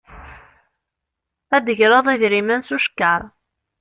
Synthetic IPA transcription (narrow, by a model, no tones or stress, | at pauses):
æd̪əʝɾɑðˤiðɾimænsuʃkːəɾˤ